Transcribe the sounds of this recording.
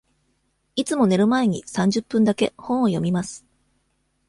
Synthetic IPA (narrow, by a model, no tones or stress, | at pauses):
it͡sɨmo̞ne̞ɾɯ̟mae̞ɲ̟isãɲ̟d͡ʑɨpːɯ̟̃nd̪ake̞hõɰ̃ojo̞mʲimasɨ̥